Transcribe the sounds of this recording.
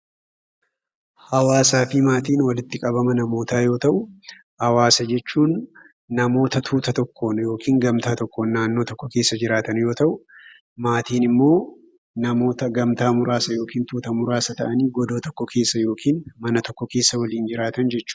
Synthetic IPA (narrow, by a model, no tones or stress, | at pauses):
hɐwaːsaːfɪmaːt̪iːnwɐlɪt̪ːɪkʼɐbɐmɐnɐmo̞ːt̪aːjo̞ːt̪ɐʔʊ | hɐwaːsɐd͡ʒɛt͡ʃːuːnː | ɐmo̞ːt̪ɐt̪ʰuːt̪ɐt̪ɔkːo̞ːnjo̞ːkʰiːŋɡɐmt̪aːt̪ɔkːo̞ːnːaːnːo̞ːt̪ɔkːɔke̞ːsːɐd͡ʒɪɾaːt̪ɐnjo̞ːt̪ɐʔʊ | maːt̪iːnɪmːo̞ː | nɐmo̞ːt̪ɐɡɐmt̪aːmʊɾaːsɐjo̞ːkiːnt̪uːt̪ɐmʊɾaːsɐt̪ɐʔɐniːɡɔd̪o̞ːt̪ɔkːɔkʰe̞ːsːɐjo̞ːkʰiːnmɐnɐt̪ɔkːɔke̞ːsːɐwɐliːnd͡ʒɪɾaːt̪ɐnd͡ʒɛt͡ʃːu̥ː